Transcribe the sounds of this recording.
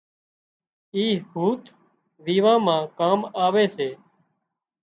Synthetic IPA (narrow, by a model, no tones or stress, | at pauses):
iːhuːt̪ | ʋiːʋãːmãːkaːmaːʋeːseː